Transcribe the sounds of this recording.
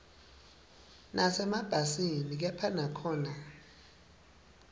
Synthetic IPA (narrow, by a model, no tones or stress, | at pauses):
nʔasɛmab̥ʱasinik̬ɛpʰanakʰɔːna